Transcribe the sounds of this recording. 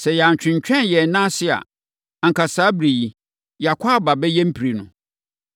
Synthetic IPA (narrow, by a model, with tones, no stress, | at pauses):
sɛ˨jɛ˨a˨ɲ˨t͡ɕᶣɪ̃˨ɲ˨t͡ɕᶣɛ̃˦njɛ˨nã˦sɪ˦a̰˨ | a˨ŋ̩˨kʰa˨saː˨˦bɾi˨ji˨ | ja˨kʷʰa˦ba˨bɛ˦jɛ˦m̩˦pʰi˨ɾi˨nʊ̃˨